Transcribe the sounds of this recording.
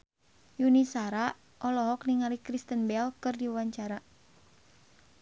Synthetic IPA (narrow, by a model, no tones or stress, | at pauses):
junisaɾa | ʔɔlɔɦɔk̚niŋaɾikɾist̪ənbɛlkɨrdiwaɲt͡ʃaɾa